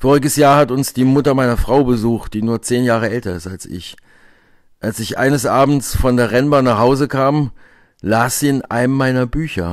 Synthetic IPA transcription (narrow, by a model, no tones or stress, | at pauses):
foːʁɪɡəsjaːɐhatʊnsd̥iːmʊtɐmaɪnɐfʁ̥aʊbəzuːxt̚d̥iːnuːɐt͡seːnjaːʁ̞əʔɛltɐɪstalsɪ̰ç | ʔalsɪçʔa̰ɪnəsʔaːbm̩t͡sfɔndeːɐʁɛnbanaːχhaʊzəkʰaːm | laːsz̥iːɪnʔa̰ɪnəmmaɪnɐbyːçɐ̰